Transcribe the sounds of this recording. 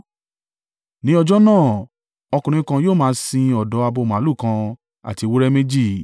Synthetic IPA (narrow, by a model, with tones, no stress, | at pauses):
nĩ˨˦ɔ˧d͡ʒɔ˦nãː˦˨ | ɔ˧kũ˧˨ɾ̃ĩ˧˦kã˧joː˦˨mãː˦sĩ˧ɔ˨dɔ˨˦a˧bo˧m̃˨˦lu˦˨kã˧ | a̰˨ti˧wu˦ɾɛ˦me˦d͡ʒi˦˨